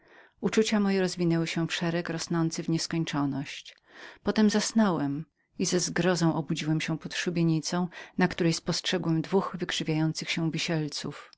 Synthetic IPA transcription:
ut͡ʂut͡ɕamɔjɛɾɔzvʲinɛwɘɕɛfʂɛɾɛkɾɔsnɔnt̪sɘvɲɛskɔɲt͡ʂɔnɔɕt͡ɕ | pɔt̪ɛmzasnɔwɛm | izɛzɡɾɔzɔ̃w̃ʔɔbud͡ʑiwɛmɕɛ̃pɔt̪ʂubʲjeɲit̪sɔ̃w̃nakt̪uɾɛjspɔstʂɛɡwɛmd̪vuxvɘkʂɘvʲjajɔnt̪sɘxɕɛ̃vʲiɕɛlt̪sṵf

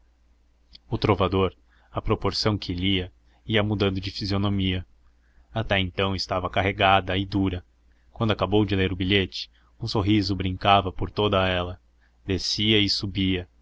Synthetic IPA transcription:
ʊt̪ɾovad̪oɾ | ɐpɾopoɾsɐ̃w̃kʰɪliɐ | iɐmud̪ɐ̃nd̪ʊd͡ʒɪfizionomiɐ | at̪ɛẽnt̪ɐ̃w̃ɪst̪avɐkaɦeɡad̪ɐɪd̪uɾɐ | kwɐ̃d̪ʊakabowd͡ʒɪleɾʊbiʎet͡ʃɪ̥ | ũsoɦizʊbɾĩŋkavɐpoɾt̪od̪ɐɛlɐ | d̪esiɐɪsubiɐ

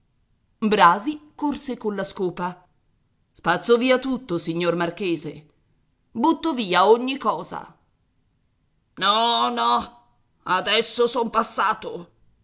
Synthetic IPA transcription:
bɾaːzikorsekolːaskoːpa | spat̪sːoviːat̪ut̪ːosiɲːormarkeːze | but̪ːoviːaoɲːikɔːza̰ | nɔnɔ | ad̪ɛsːosompasːaːt̪o

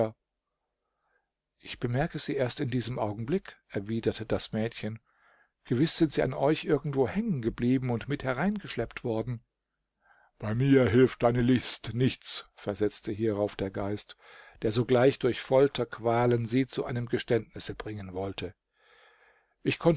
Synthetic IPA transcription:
ʔɪçb̥əmɛɐkəz̥iːʔeːɐstɪndiːzəmʔaʊɡŋ̩blɪkʔɛɐviːdɐtʰəd̥asmɛːtçən | ɡ̥əvɪsz̥ɪntz̥iːʔa̰nʔɔʏçʔɪɐɡŋ̩tv̥oːhɛŋənɡəbliːbm̩ʊntmɪthɛʁaɪnɡəʃlɛptv̥ɔɐdn̩ | b̥aɪmiːɐɦɪlftʔaɪnəlɪstnɪçt͡sfɛɐzɛt͡stʰəɦiːʁaʊfd̥eːɐɡaɪst | d̥eːɐzoːɡlaɪçd̥ʊɐçfɔltʰɐkʰv̥aːlənziːt͡suʔaɪnəmɡəʃtɛntnɪsəb̥ʁɪŋənvɔltʰə | ʔɪçkʰɔn

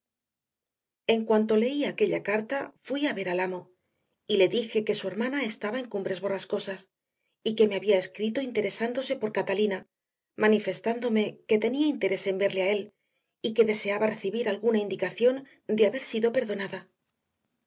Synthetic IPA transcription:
e̞ŋkwant̪o̞le̞iake̞ʎakaɾt̪afwiaβe̞ɾalamo̞ | ile̞ðixe̞ke̞sue̞ɾmanae̞st̪aβae̞ŋkumbɾe̞zβo̞rasko̞sas | ike̞meaβiae̞skɾit̪o̞int̪e̞ɾe̞sand̪o̞se̞po̞ɾkat̪alina | manife̞st̪and̪o̞me̞ke̞t̪e̞niaint̪e̞ɾe̞se̞mbe̞ɾleae̞l | ike̞ðe̞se̞aβare̞θiβiɾalɣunaind̪ikaθjo̞n | d̪eaβe̞ɾsiðo̞pe̞ɾðo̞naða

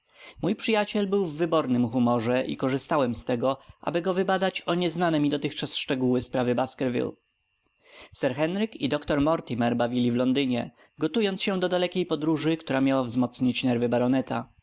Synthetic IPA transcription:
mujpʂɘjat͡ɕɛlbɘwvːɘbɔɾnɘmxumɔʐɛʔḭkɔʐɘst̪awɛmst̪ɛɡɔʔa̰bɘɡɔvɘbad̪at͡ɕɔɲɛznanɛmʲid̪ɔt̪ɘxt͡ʂasʂt͡ʂɛɡuwɘspɾavɘbaskɛɾvʲḭl | sɛɾxɛnɾɘkid̪ɔkt̪ɔɾmɔɾt̪ʲimɛɾbavʲilʲivlɔnd̪ɘɲɛ̰ | ɡɔt̪ujɔnt̪sɕɛd̪ɔd̪alɛkʲejpɔd̪ɾuʐɘkt̪uɾamʲjawavzmɔt̪sɲit͡ɕnɛɾvɘbaɾɔnɛt̪a

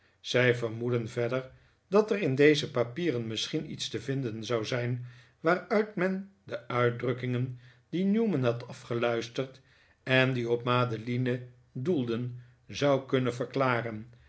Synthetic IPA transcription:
z̥ɛjvəɹmudənvɛdəɹ | d̥ɑtɛrɪndejzəpapiːrənmɪsχinḭtstəvɪndənzɑwzɛjn | ʋaːrœɥtmɛndəœɥt̚drɵkɪŋən | d̥injumənɦɑtɑfχəlœɥstəɹt | ɛndiɔpmaːdəlinə | dulˠdən | zɑwkɵnəvəɹklaːrən

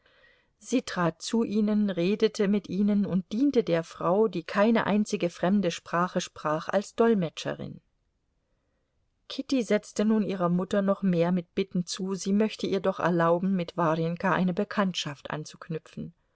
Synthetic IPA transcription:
z̥iːtʁ̥aːt̚t͡suʔiːnənʁeːdətʰəmɪtʔiːnənʊnt̚d̥iːntədeːɐfʁ̥aʊdiːkʰaɪnə̰ʔa̰ɪnt͡sɪɡəfʁ̥ɛmdəʃpʁ̥aːχəʃpʁ̥aːχʔa̰lsd̥ɔlmɛt͡ʃə̰ʁɪ̰n | kʰɪtizɛt͡stənuːniːʁ̞ɐmʊtɐnɔχmeːɐmɪt̚b̥ɪtn̩t͡suːziːmœçtəʔiːɐdɔχɛ̰ɐlaʊbm̩mɪtv̥aʁɛŋkaʔaɪnəbəkʰantʃaftʔa̰nt͡su̥knʏpp͡fn̩

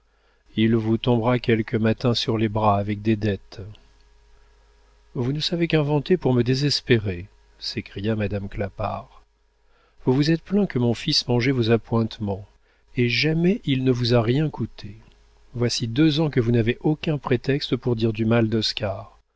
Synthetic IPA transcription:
ilvut̪ɔ̃bʁakʲɛlkəmat̪ɛ̃syʁlebʁaːvɛk̚d̪ed̪ɛt̪ | vunəsavekɛ̃vɑ̃t̪epuʁməd̪ezɛspeʁe | sekχijamad̪amklapaʁ | vuvuzɛt̪plɛ̃kəmɔ̃fismɑ̃ʒɛvozapwɛ̃t̪mɑ̃ | eʒamɛʔilnəvuzaʁjɛ̃kut̪ʰe | vwasid̪øzɑ̃kəvunaveʔokʲɛ̃pχet̪ɛkst̪əpuʁd̪iʁd̪ymald̪ɔskaʁ

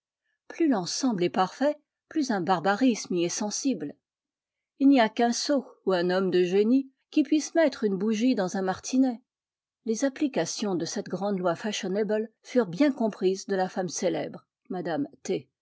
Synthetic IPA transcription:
plylɑ̃sɑ̃blɛpaʁfɛ | plyzɛ̃baʁbaʁismiɛsɑ̃sibl | ilniakɛ̃souɛ̃nɔmd̪əʒeni | kʲipɥismɛt̪χynbuʒid̪ɑ̃zɛ̃maʁt̪ʰinɛ | lezaplikasjɔ̃d̪əsɛt̪ɡʁɑ̃d̪lwafaʃɔneblfyʁbjɛ̃kɔ̃pχizd̪əlafamselɛ̰bʁ | mad̪amt̪e

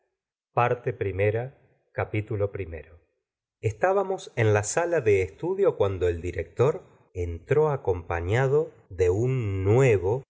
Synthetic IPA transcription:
paɾt̪epɾimeɾa | kapit̪ulo̞pɾime̞̰ɾo | est̪aβamo̞senlasalaðe̞ːst̪uðjo̞kwand̪o̞eld̪iɾek̚t̪o̞ɾ | ent̪ɾo̞ako̞mpaɲaðo̞ | ðe̞unːweβo

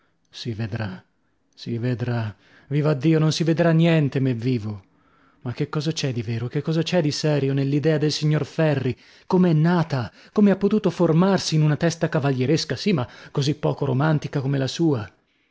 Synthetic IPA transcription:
sived̪ɾa | sived̪ɾa | viːvoad̪ːiːononsived̪ɾanːjɛnt̪emevːiːvo | makːekːɔːzat͡ʃɛd̪iveːɾok̟ekːɔːzat͡ʃɛd̪isɛɾjonelːid̪ɛːad̪elsiɲːorfɛrːi | komeɛnːaːt̪a | komeapːot̪uːt̪oformarsiːnunat̪ɛst̪akavaʎjeɾeskasimakːozipːɔːkoɾomant̪ikakomelasuːa

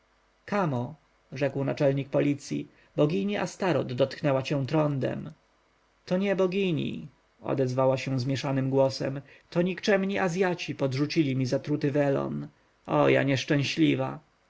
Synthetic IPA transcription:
kamɔ | ʐɛkwnat͡ʂɛlɲik̚pɔlʲit̪sʲjḭ | bɔɡʲiɲiʔast̪aɾɔd̪ːɔt̪knɛwat͡ɕɛ̃w̃t̪ɾɔnd̪ɛ̰m | t̪ɔɲɛbɔɡʲiɲḭ | ɔ̰d̪ɛzvawaɕɛw̃zmʲjɛʂanɘmɡwɔsɛ̰m | t̪ɔɲikt͡ʂɛmɲiʔazʲjat͡ɕipɔd̪ʐut͡ɕilʲimʲizat̪ɾut̪ɘvɛlɔ̰n | ɔja̰ɲɛʂt͡ʂɛ̃w̃ɕlʲiva

